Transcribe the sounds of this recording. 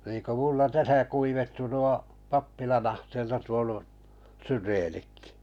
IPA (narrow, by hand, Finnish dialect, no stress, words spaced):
niːŋ ku mulːɑ tæsæ kuiʋetːu nuo pɑpːilɑn ɑhteːlːɑ tuonu syreːnikːi̥